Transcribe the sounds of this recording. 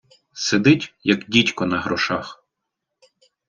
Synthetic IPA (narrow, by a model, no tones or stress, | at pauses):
sed̪ɪtʲjɐkdʲitʲkɔnɐɦɾɔʃɑx